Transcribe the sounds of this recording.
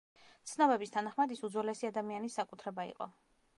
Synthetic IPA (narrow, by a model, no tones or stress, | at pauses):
t̪sʰnɔbɛbist̪ʰanaχmad̪isud̪zwɛlɛsiad̪amianisːakʼut̪ʰɾɛbaḭqʼɔ̰